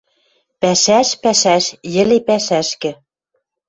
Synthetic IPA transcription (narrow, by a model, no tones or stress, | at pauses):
pæʃæʃpæʃæʃjɘ̆lepæʃæʃkɘ̆